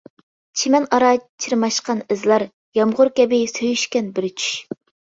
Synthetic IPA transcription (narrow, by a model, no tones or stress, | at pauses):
t͡ʃʰimɛnɑɾɑt͡ʃʰiɾmɑʃqɑnɪzlˠɑɾ | jɑmʁʊɾkʲɛbɪsøjyʃkʲɛnbɪɾt͡ʃʰy̥ʃ